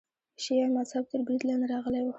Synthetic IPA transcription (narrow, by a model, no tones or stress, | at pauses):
ʃijɑmazhab̚t̪əɾbɾid̪lɑnd̪eɾɑɣəlewo